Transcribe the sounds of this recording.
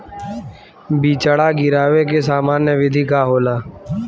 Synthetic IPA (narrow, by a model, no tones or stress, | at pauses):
biːt͡ʃaɽaːɡɪɾaːʋeːk̬eːsaːmaːnjəʋɪd̪ʱiːkaːɦoːlaː